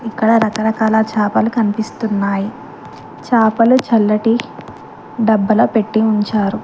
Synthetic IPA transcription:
ikːɐɽɐɾɐkɐɾɐkaːlɐt͡ʃaːpɐlukɐnipist̪unːaːji | t͡ʃaːpɐlut͡ʃɐlːɐʈi | ɖɐbːɐlɐpe̞ʈːiuɲt͡ʃaːɾu

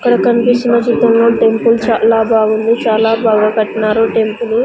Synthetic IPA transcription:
ɐkːɐɽɐkɐnipist͡ʃinɐd͡ʒit̪ːɐmloːʈe̞mpult͡ʃaːlaːbaːɡund̪it͡ʃaːlaːbaːɡakɐʈːinaːɾuʈe̞mpulu

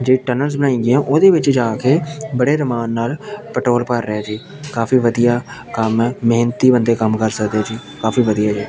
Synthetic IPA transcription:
d͡ʒeːʈənəlzbənaːĩːɡɪãːʔoːd̪eːʋɪt͡ʃd͡ʒaːkeːbəɽeːɾəmaːnːaːlpəʈɾoːlpəɾːɛːd͡ʒiː | kaːfiːʋəd̪ijaːkəmːeːnət̪iːbənd̪eːkəmkəɾsəkd̪eaːd͡ʒiː | kaːfiːʋəd̪ijaːd͡ʒiː

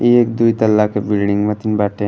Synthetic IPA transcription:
ieːkd̪uit̪ɐlːakebilɖiŋɡmɐt̪inbaːʈe

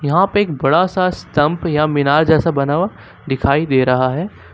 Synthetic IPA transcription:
jɐɦãpɐɾeːk̚bɐɽasast̪ɐ̃mpjamɪnaːɾd͡ʒɛːsabɐnaːʋa | d̪ɪkʰaːid̪eːɾɐɦaɦɛː

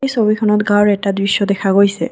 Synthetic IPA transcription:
jsobikʰɔnɔtɡawɹɛtadɹisːɔdɛkʰaɡojsɛ̰

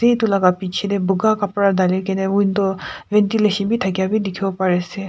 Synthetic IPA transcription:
et̪ulaɡapit͡ʃʰed̪ebuɡakɐpɾad̪alikeneunt̪oʋent̪ileʃənbʱit̪ʰɐkjabʱid̪ikʰjopɐɾese

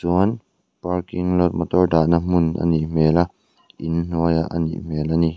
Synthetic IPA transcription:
suən | parkiŋlɔt̪̚mɔt̪ɔrdaʔnam̥ʊna̰nim̥ɛla | inn̥uəjaʔanḭm̥ɛlani

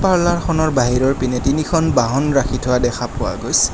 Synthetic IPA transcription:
paɹlaɹxʰɔnɔɹbaɦiɹɔɹpinetinikʰɔnbaɦɔnɹaxʰitʰʊwadɛxʰapʊwa̰ɡojs

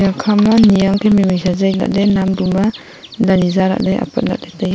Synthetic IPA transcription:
akʰamanijaŋkʰemimijsazajla̰ʔ̚denamduma | danizaɾa̰ʔdeʔa̰pʰa̰t̚na̰k̚detaj

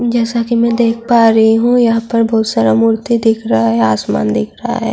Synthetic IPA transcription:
d͡ʒɛːsakimɛ̃d̪eːk̚ʰpaːɾɐɦiɦũjɐɦãpɐɾbɔːt̪saːɾamuːɾt̪id̪ɪkʰɾɐɦaɦɛaːsma̰ːnd̪ɪkʰɾɐɦa̰ɦɛ̰ː

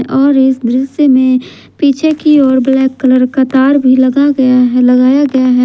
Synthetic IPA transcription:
ʔɔːɾɪsd̪ɾɪsjəmẽ | piːt͡ʃʰekiɔːɾblɛːkːələɾkat̪aːɾbʱilɐɡaɡɐjaɦlɐɡaːjaɡɐjaɦɛː

